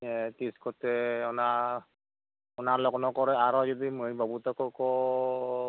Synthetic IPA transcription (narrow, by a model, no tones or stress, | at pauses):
ɛtiskɔtɛɔna | ɔnalɔknɔkɔɹɛaɹɔzɔdimɯbabutɔkɔkɔ